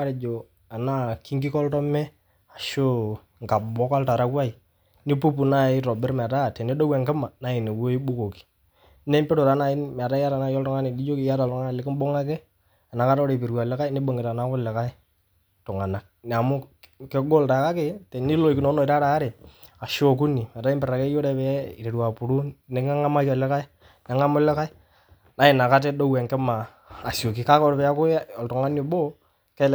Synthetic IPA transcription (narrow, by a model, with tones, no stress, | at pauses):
ɾɪ˨d͡ʒo˨ | a˨na˦ki˦ŋɡi˦kɔ˦ltɔ˦mɛ˦ | a˨ʃo˦ | ŋɡa˨bɔ˦ka˦lta˨ɾa˦kwa˦i˨ | nɪ˦pu˦pu˨na˦˨ɪ˦ɾɔ˨bɪ˦ɾmɛ˨ta˦˨tɛ˨ne˦dɔ˦wɛ˨ŋɡɪ˦ma˨na˦ɪ˨ne˨wo˦ɪ˦ɓʊ˦ko˨ki̥˨ | nɛ˦mpe˦ɾo˨ɾa˨˦na˨ɪ˦nm˨a˨ta˦ja˦ɾa˨na˦jɔ˦ltʊ˦ŋa˦nɪ˨di˦d͡ʒo˦kɪ˨ja˦ɾa˨ltʊ˦ŋa˦n˨lɪ˦kɪ˦mbo˦ŋa˦kɛ˦ | a˨na˨ka˦ɾɔ˦ɾe˨pe˨ɾa˨lɛ˦ka˦ɪ˦nɪ˦bo˨ŋɡɪ˨ta˨na˨˦kʊ˦lɛ˨ka˦ɪ˦ | tʊ˨ŋa˨na˨k̚n˨a˨mʊ˦ke˦ɡo˦lta˨˦ka˦ke˨tɛ˨nɪ˦lo˨kɪ˨nɔ˨˦nɔ˨ɪ˨ɾa˦ɾa˨˦ɾe˨ | a˨ʃo˨k̬u˦ni˨m˨a˨ta˦ɪ˦mpɪ˨ɾa˨kɛ˦jo˦ɾɛ˨pɛ˨˦ɪ˨ɾe˨ɾwa˨pʊ˨ɾu˦nɛ˨ŋa˦ŋa˦ma˦ka˨lɛ˦ka˦ɪ˦ | nɛ˨ŋa˦mʊ˦lɛ˦ka˦ɪ˦ | na˦ɪ˨na˨ka˦t̬ɛ˦do˦wɛ˨ŋkɛ˦maː˨ | sjo˨ki˦ka˦kɔ˦ɾpɛ˨a˦kʊ˦ɔ˨ltʊ˨ŋa˦ni˨bo˦ | kɛ˦l